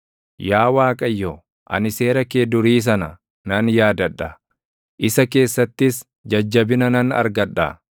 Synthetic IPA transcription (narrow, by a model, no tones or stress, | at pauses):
jaːwaːkʼɐjːɔ | ʔɐ̰nɪse̞ːɾɐkeːd̪ʊɾiːs̬ɐnɐ | nɐnjaːd̪ɐᶑːɐ | ʔɪsɐke̞ːsːɐt̪ːɪs | d͡ʒɐd͡ʒːɐbɪnɐnɐnɐ̰ɾɡɐᶑa̰